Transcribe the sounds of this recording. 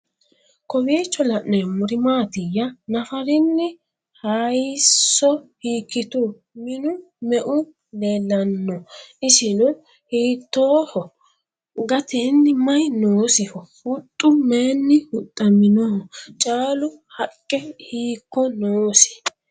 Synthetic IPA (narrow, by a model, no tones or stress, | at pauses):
kɔbiːt͡ʃːɔlɐʔnɔjmʊɾɪmaːt̪ɪjɐnɐfɐɾɪnːɪ | hɐjsːɔhiːkːɪt̪u | mɪnʊ | mɛʔʊ | leːlːɐnːɔɪʃɪnʊ | hiːt̪ːoːhɔ | ɡɐt̪ɪnːɪmɐjnoːsɪhɔhʊt̪ʼːʊmeːnːɪhʊt̪ʼːɐmɪnɔhɔt͡ʃʼaːlʊ | hɐkʼːɛhiːkːɔnoːsɪ̥